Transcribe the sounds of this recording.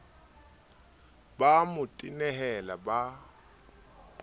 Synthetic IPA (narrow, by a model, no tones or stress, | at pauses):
bamʊtʼinɛɦɛlaba